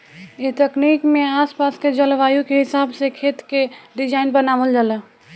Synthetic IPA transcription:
et̪əknikmeaspasked͡ʒəlʋajukeɦisabsekʰet̪keɖid͡ʒainbənabəld͡ʒalə

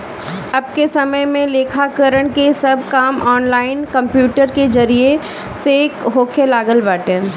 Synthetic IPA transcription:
ɐb̚kesɐməjmẽleːkʰakəɾəɽ̃kesɐb̚ʱkaːmɔːnlaːɪnkɐ̃mpjuːʈəɾked͡ʒɐɾie | sekɦoːkʰelaːɡəlbaːʈɛ̃ː

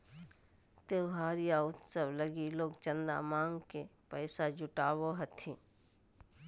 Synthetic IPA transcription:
t̪eʊɦaːɾijaʊt̪səʋləɡiloːɡt͡ʃə̃nd̪a̰mãːŋɡkepəɪsad͡ʒʊʈaːwoɦɐt̪ʰĩː

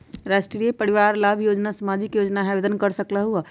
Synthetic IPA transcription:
ɾasʈɾijepəɾiʋaɾlabʱjod͡ʒnasəmad͡ʒikjod͡ʒnaɦabed̪ənkəɾsəkləɦuə

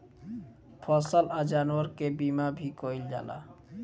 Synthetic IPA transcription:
pʰɔsəlad͡ʒanuəɾkebimabʱikɔild͡ʒa̰la̰

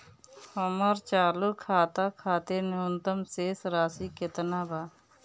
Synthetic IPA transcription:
homəɾt͡ʃaːlukʰːaːt̪aːkʰaːt̪enɪʊnt̪əmseːsɾaːsiːkɪt̪naːbaː

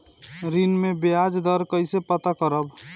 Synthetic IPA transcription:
ɾinmebead͡ʒd̪əɾkəɪsepət̪akəɾəb

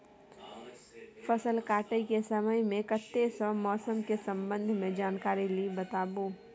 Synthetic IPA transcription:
fʰəsəlkaːʈekesəməjmẽkət̪ːesɔmɔːsəmkesə̃mbə̃nd̪ʱmẽd͡ʒaːnkaːɾilibət̪aːboː

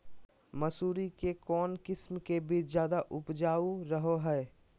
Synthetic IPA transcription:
mɐsuːɾikekɔːnkɪsmkebʱizjaːd̪aʔʊpd͡ʒaːuɾəɦoɦɛː

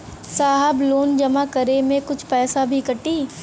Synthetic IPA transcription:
saːɦəbloːnd͡ʒɐmakɐɾemẽkʊt͡ʃʰpɛːsabʱikɐʈiː

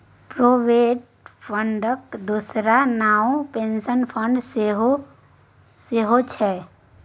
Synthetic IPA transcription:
pɾoʋeʈ | pʰəɳɖəkd̪usɾanaũpensənpʰəɳɖseɦo | seɦot͡ʃʰɛ

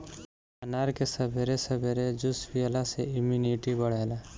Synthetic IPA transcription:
ɐnaːɾkesɐbʱeɾesəbʱeɾed͡ʒʊsfiəlaseɪmjuniʈibəɽ̤eːla

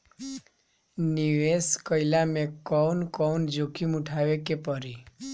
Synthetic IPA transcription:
niʋeskɔjlamekɔwnkɔwnd͡ʒokʰimuʈʰaʋekepɔɾi

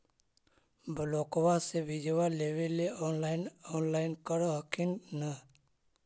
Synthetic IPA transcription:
bəlokwasebid͡ʒəʋaleʋeleɔːnlaɪnoːnlaːɪnkəɽɦəkʰinnə

